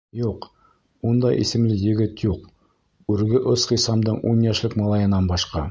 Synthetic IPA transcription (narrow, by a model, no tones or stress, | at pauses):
juq | und̪ɑ̰jʔḭsɘ̆mlɘjɘ̆ɡɘt̪juq | ʉɾɡɘʔosqĭsɑmd̪ɤɴunjæʃlɘkmɑlˠɑjɤ̆nɑnbɑʃqɑ